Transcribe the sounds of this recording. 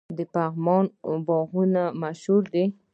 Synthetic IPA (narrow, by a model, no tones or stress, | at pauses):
d̪əpaɣmɑnbɑɣunamaʃhuɾd̪e